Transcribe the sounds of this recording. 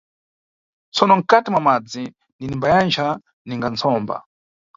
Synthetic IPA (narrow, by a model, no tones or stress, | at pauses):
t͡sʰɔnɔŋ̩katimwamad͡zi | ndinimbajand͡ʒʰa | niŋɡant͡sʰɔːmba̰